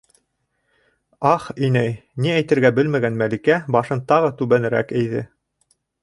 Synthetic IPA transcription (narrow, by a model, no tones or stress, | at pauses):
ɑχinæjniæjt̪ɘ̆ɾɡæbɘlmæɡænmælikæbɑʃɤnt̪ɑʁɤt̪ʉβænɘ̆ɾæ̰kɘ̆jðɘ̰